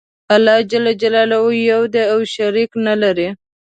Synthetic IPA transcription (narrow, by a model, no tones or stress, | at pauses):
alːɑd͡ʒalad͡ʒalɑlawojawd̪eawʃaɾiknalaɾi